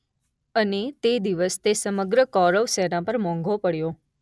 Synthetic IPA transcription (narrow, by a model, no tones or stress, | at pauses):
ənet̪ed̪iʋəst̪esəməɡɾəkɔɾəʋsɛɾãpəɾmɔ̃ŋɡʱopəɽjo